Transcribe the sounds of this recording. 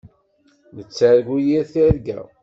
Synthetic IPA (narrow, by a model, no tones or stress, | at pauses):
nət͡sːaɾɡujiɾθiɾɡæ̰